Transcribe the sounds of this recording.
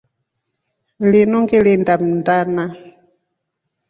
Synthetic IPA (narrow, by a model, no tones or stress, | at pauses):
linɔŋɡelindam̩ndana